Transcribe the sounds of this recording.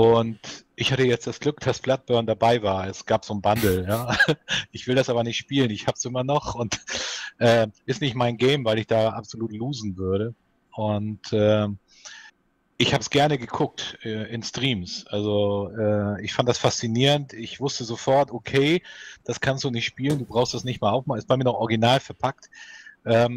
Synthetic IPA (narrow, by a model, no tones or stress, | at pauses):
ʔʊntʔɪçhatəjɛt͡std̥asɡ̥lʏkd̥asb̥lat̚b̥œɐndabaɪvaːɐɛsɡ̥aːpz̥oːnbandl̩jaːʔɪçv̥ɪldasʔaːbɐnɪçtʃpiːlənɪçhaːbpsʔɪmɐnɔχʊntʔɛːʔɪstnɪçtmaɪnɡɛɪmvaɪlɪçd̥aːʔapz̥oluːtluːzn̩vʏɐɾə | ʔʊntɛː | ʔɪçhaːbəsɡ̥ɛɐnəɡəkʰʊk̚tɛːʔɪnstʁ̥iːmsʔalzoɛːɪçfant̚d̥asfast͡siniːʁəntɪçv̥ʊstəzofɔɐtʔokʰeɪd̥askʰanstd̥uːnɪçtʃpiːlənduːbʁaʊxstd̥asnɪçtmaːlaʊxmaːlɪst̚b̥aɪmiɐnɔxʔɔɐɡinaːlfɛɐpʰak̚tʔɛːm